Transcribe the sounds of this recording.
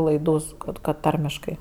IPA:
lˠɐɪˈduː sʊ ˈkɐt kɐt ˈtɐrʲmʲɪʃkɐɪ

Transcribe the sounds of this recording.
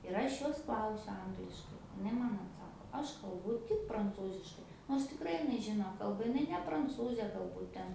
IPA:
ɪr ˈɐʃ ˈjoːs ˈklˠɐʊsʲʊ ˈɐŋɡlʲɪʃkɐɪ ɪˈnɐɪ ˈmɐn ɐtˈsɑːkoː ˈɐʃ kɐlˠˈbʊ tʲɪk prɐnˈt͡suːzʲɪʃkɐɪ noːrs tʲɪkˈrɐɪ ɪˈnɐɪ ˈʒʲɪnoː ˈkɐlˠbɐ ɪˈnɐɪ nʲɛ prɐnˈt͡suːzʲeː ɡɐlˠˈbuːt ˈtʲɛn

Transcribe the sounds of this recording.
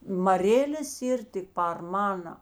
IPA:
mɐˈrʲeːlʲeːs ˈiːr tʲɪk pɐr ˈmɑːnɐ

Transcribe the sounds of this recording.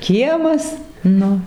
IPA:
ˈkʲiɛmɐs ˈnʊ

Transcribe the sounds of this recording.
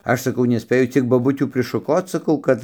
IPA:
ˈɐʃ sɐˈkɐʊ nʲɛˈsʲpʲeːjʊ ˈt͡sʲiɛk boːˈbʊtʲuː pʲrʲɪʃʊˈkoːt͡s sɐˈkɐʊ ˈkɐt

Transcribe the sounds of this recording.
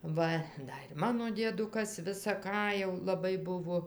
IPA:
ˈʋɐ ˈdɐ ɪr ˈmɑːnoː dʲiɛˈdʊkɐs ʋʲɪsɐ ˈkɑː jɛʊ lˠɐˈbɐɪ ˈbʊʋoː

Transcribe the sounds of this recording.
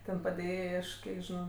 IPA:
ˈtʲɛn pɐdʲeːˈjeːjɛɪ ˈɐʃ ˈkʲiɛk ʒʲɪˈnɐʊ

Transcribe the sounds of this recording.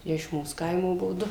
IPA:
ɪ ɪʃ ˈmuːs ˈkɐɪmoː ˈbuɔ ˈdʊ

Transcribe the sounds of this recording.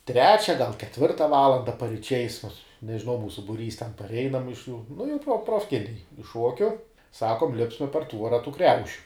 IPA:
ˈtʲrʲæːt͡ʃʲɛ ɡɐlˠ kʲɛˈtʲʋʲɪrtɐ ˈʋɑːlˠɐndɐ pɐrʲɪˈt͡ʃʲɛɪs mʊs nʲɛʒʲɪˈnɐʊ ˈmuːsʊ bʊˈrʲiːs tʲɛn pɐrʲˈɛɪnɐm ɪʃ juː nʊ jɛʊ proː proːfʲˈkʲɪnʲɛɪ ɪʃ ˈʃuɔkʲʊ ˈsɑːkoːm ˈlʲɪpsmɐ pɐr ˈtʋuɔrɐ tuː ˈkrʲɛʊʃʲʊ

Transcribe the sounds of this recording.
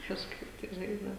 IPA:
kɐʃˈkɐɪp tɐɪ ˈʒɐɪzdɐw

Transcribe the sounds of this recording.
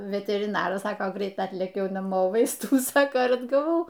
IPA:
ʋʲɛtʲɛrʲɪˈnɑːrɐs ˈsɑːkoː ˈɡrʲɛɪt ˈɑːtʲlʲeːkʲɛʊ nɐˈmoː ˈʋɐɪstuː ˈnʊ ˈsɑːkɐ ɪr ɐdɡɐˈʋɐʊ

